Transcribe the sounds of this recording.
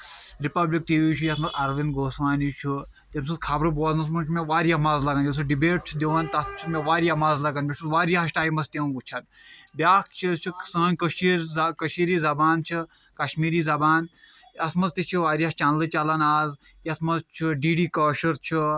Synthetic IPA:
ɾipɐblik̚ʈiːʋit͡ʃʰujɐsmɐzɐɾʋinɡʱoːsʋaːnit͡ʃʰu | t̪ʲems̬uzkʰaːbɾɨboːznɐs̬mɐnt͡ʃʰmeʋaːɾiamaːzlɐɡanjɐsʰuɖibeːʈt͡ʃʰd̪ʲeʋant̪ɐst͡ʃʰumʲeʋaːɾʲjamaːzlɐɡanbʲiʃuzʋaːɾiaʃʈaːjmɐst̪ew̃ut͡ʃʰɐn | bʲaːkt͡ʃʰit͡ʃʰusɐ̃ːnʲkɐʃiɾkɐʃiːɾiːzɐbaːnt͡ʃʰi | kɐʃmiːɾiːzɐbaːn | ɐsmɐzt̪it͡ʃʰiʋaːɾiaːt͡ʃaːnlɨt͡ʃɐlɐnaːz | jɐsmɐzt͡ʃʰiɖiːɖiːkɐːʃɐɾt͡ʃʰi

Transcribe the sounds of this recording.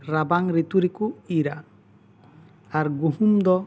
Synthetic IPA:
ɾabaŋɾit̪uɾikuiɾan | aɾɡuɦumd̪ɔ

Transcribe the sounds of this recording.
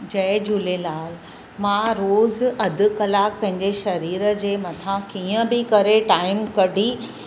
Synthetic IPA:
d͡ʑɐɪd͡ʑulelaːl | mãɾoːzɐd̪ʱʊ̆kɐlaːk̚pɐ̃ɦɪ̃ɲd͡ʑeʃɐɾiːɾəd͡ʑeːmɐt̪ʰãkiːə̃bɪkɐɾeʈaːɪmkɐɖʱi

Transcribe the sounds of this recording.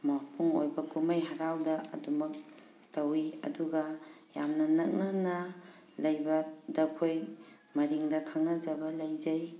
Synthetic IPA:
mapʰuŋo̰jbɐkumajɦaɾawdɐɐ̰dumɐk̚ | tɐwiɐ̰duɡɐjamnɐnɐk̚nanɐ | lɐjbɐdɐkʰoj | mɐɾiŋdɐkʰaŋnɐd͡ʒɐbɐlɐjzaj

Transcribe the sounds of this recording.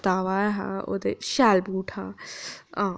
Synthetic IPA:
t̪aːʋaːɦã̰o̰d̪eʃaːlbuːʈʰhãːã

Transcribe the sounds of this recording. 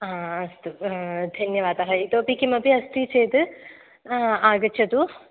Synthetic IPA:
ɦãːɐst̪ud̪ʱɐnjɐʋaːd̪ɐɦɐit̪oːpikimɐpiɐst̪it͡ʃeːt̪ɨ | aːɡɐːt͡ʃʰɐt̪u

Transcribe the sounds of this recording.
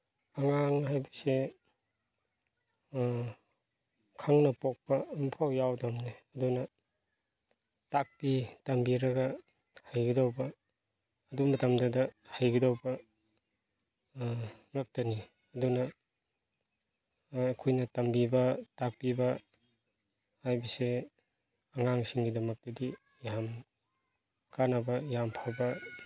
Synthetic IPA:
ɐŋaŋhajbɐse | kʰaŋnɐpok̚pɐːmpʰawjawdamneɐdunɐ | tak̚pitɐmbiɾɐɡɐ | hajɡɐdawbɐː | dumɐtɐmdɐdɐhajɡɐdawbɐ | ŋak̚tɐni | ɐdunɐ | kʰujnɐtɐmbibɐtak̚pibɐ | hajbise | ɐŋaŋsiŋɡidɐmɐk̚tɐdi | jam | kʰanabɐjampʰabɐ

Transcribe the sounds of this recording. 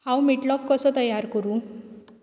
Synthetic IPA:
hãwmiʈlɔfkɔsɔt̪əjaɾkəɾũː

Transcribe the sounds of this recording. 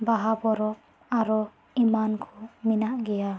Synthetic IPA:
baɦabɔɾɔp̚ | aɾɔ | imankʰɔminaʔɡɛja

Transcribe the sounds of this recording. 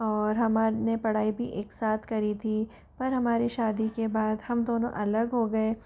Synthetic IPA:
ɔːɾɦɐmaːnepɐɽ̤aːibʱḭʔeːksaːt̪ʰkɐɾit̪ʰi | pɐɾɦɐmaːɾiʃaːd̪ikebaːd̪hɐmd̪oːnõ̰ʔɐləɡɦoɡɐe

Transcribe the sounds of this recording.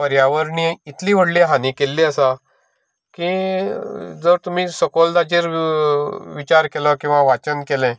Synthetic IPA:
pəɾjaʋəɾniit̪ʰliːʋ̤əɽliɦanikelːiəsa | kĩ | d͡zəɾt̪um̤iːsɔkɔld̪ad͡ʑeɾ | ʋit͡ɕaɾkelɔkĩw̃ʋaʋat͡ɕənkelɛ̃

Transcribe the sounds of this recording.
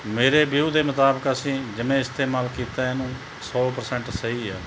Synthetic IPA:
meːɾeːbiuːd̪eːmət̪aːbəkəsĩːd͡ʒɪmẽːɪst̪ʰeːmaːlkiːt̪aːɪnũː | sɔːpəɾsɛ̃ɳʈsəiːaː

